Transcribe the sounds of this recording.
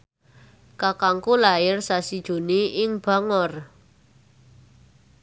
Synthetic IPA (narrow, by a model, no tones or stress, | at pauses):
kakaŋkulajɪrsasid̥ʒ̥ṳniʔɪŋb̥a̤ŋɔr